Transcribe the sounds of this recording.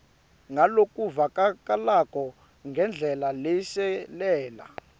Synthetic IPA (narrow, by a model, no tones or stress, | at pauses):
ŋɡʱalokʼuvakʼak̬ʼalakʼɔ | ŋɡʱɛnd͡ɮʱɛlalɛʃɛlɛːla̰